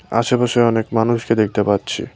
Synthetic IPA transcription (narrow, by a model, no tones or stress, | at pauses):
a̰ʃebɔʃeɔnekmanuʃked̪ek̚ʰt̪epatːɕʰḭ